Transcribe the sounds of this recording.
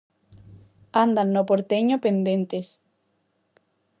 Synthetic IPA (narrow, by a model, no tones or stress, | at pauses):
and̪anːopoɾt̪eɲopend̪ent̪es